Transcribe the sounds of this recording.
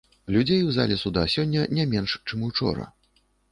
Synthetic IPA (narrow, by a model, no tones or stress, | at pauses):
lʲud͡zʲejwzalʲɛsud̪asʲɔnʲːɐnʲɛmʲɛnʂt͡ʂɨmut͡ʂɔ̰ɾɐ̰